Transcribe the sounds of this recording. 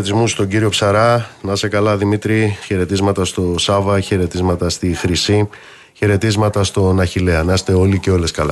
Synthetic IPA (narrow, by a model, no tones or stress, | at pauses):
t̪izmust̪o̞ɟiɾio̞psɐɾɐnɐse̞kɐlɐðimit̪ɾiçeɾe̞t̪izmɐt̪ɐst̪o̞sɐvɐçe̞ɾe̞t̪izmɐt̪ɐst̪ixɾisi | çe̞ɾe̞t̪izmɐt̪ɐst̪o̞nɐçileɐnɐst̪e̞o̞liceo̞le̞skɐlɐ